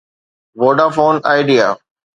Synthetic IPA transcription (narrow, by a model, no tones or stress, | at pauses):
ʋoːɖaːfoːna̰ːɪɖija̰ː